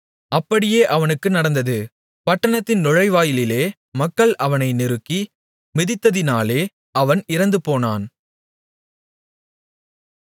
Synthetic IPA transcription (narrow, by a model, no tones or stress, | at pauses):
ɐpːɐɽɪjeːʔɐʋɐnɯkːɯnɐɽɐnd̪ɐðɯ | pɐʈːɐɳɐt̪ːɪnnɔɻɐɪʋaːjɪlɪleː | mɐkːɐɭʔɐʋɐnɐɪnɪɾɯkːi | mɪðɪt̪ːɐðɪnaːleː | ɐʋɐnɪɾɐnd̪ɯpoːnaːn